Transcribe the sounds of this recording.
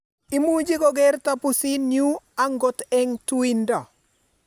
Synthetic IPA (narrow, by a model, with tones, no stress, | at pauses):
i˦mu˦d͡ʒi˦ɡɔ˦ɡɛ˦ɾta˦pu˨si˦nju˦a˦ŋɡɔ˦tɛ˦ŋtu˦i˦nda˨